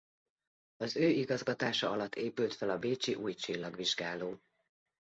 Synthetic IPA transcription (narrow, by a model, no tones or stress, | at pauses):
ɒzøːiɡɒzɡɒt̪aːʃɒɒlɒt̪ːeːpylt̪fɛlɒbeːt͡ʃiʔuːjt͡ʃilːɒɡʋiʒɡaːloː